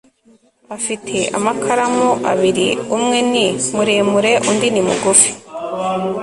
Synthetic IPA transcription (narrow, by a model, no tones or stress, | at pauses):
afitʰe̞ʔa̰makʰaɾamuʔa̰βiɾḭumŋe̞nimuɾeːmuɾe̞ʔundinimuɡufi̥